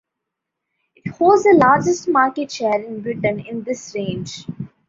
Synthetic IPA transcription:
ɪʈhoːlɖzd̪əlaːɾd͡ʒəsʈmaːɾkeʈʃeːɾɪ̃nbɾɪʈə̃nɪ̃nd̪ɪsɾẽːnd͡ʒ

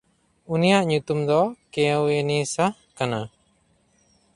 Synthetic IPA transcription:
unijaʔɲut̪umd̪ɔkɛ̃wjenisa | kana

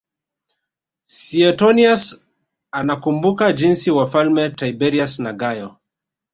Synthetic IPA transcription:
siɛtɔnias | anakumbukad͡ʒinsiwafalmɛtaibɛɾiasnaɡajɔ

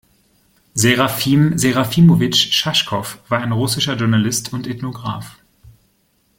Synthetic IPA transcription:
zeʁafiːmzeʁafiːmovɪt͡ʃʃaʃkʰɔfv̥aːɐaɪnʁʊsɪʃɐʒʊɐnalɪstʰʊntɛtnoɡʁa̰ːf

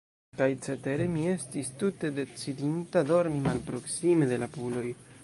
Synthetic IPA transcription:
kajt͡se̞te̞ɾemie̞stistute̞de̞t͡sidintado̞ɾmimalpɾo̞ksime̞de̞lapulo̞j

